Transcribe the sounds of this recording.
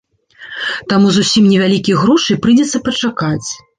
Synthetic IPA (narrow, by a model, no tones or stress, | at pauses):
t̪amuzusʲimnʲɛvʲalʲikʲijɣɾɔʂɨjpɾɨd͡zʲɛt̪sːɐpɐt͡ʂakat͡sʲ